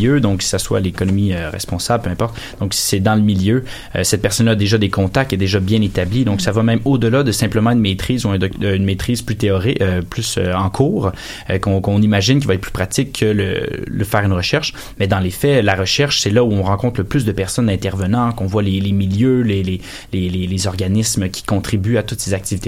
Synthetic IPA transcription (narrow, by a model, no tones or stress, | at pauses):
jød̪ɔ̃ksaswa̰lekɔnɔmiøʁɛ̰spɔ̃sablpøɛ̃pɔʁt̪ | d̪̥ɔ̃ksi̥sɛd̪ɑ̃ləmiljø | ø̰sɛt̪̚pɛʁsɔnlaːd̪eʒad̪ekɔ̃t̪akt̪ɛd̪eʒabjɛ̃net̪ablid̪ɔ̃ksavamɛ̃mod̪əlad̪əsɛ̃pləmɑ̃ynmet̪χiːzuɛ̃d̪ɔkynmet̪χiːzplyt̪eɔʁɪøplysø̰ɑ̃kʰuːʁ | økɔ̃kɔ̃nimaʒɪnk̬ʲilvaɛt̪̚pl̥y̥pχat̪ɪkʰːələ̰ləfɛːʁynʁəʃɛʁʃ | mɛd̪ɑ̃lefɛlaʁəʃɛʁʃsɛlauɔ̃ʁɑ̃kɔ̃t̪χləplys̬d̪əpɛʁsɔnɛ̃t̪ɛʁvənɑ̃kɔ̃vwalelemiljølele | lelelezɔʁɡanɪsməkʲʰi̥kɔ̃t̪χibyat̪ʊt̪sezak̚t̪ivit̪e